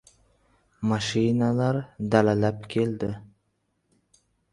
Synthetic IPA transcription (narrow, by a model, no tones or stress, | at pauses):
maʃinalaɾd̪alalapkʲʰeld̪ɪ